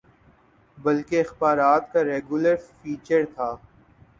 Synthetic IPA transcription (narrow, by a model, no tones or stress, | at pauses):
bɐlkeɪxbaːɾaːt̪kaɾeːɡʊləɾfiːt͡ʃəɾt̪ʰaː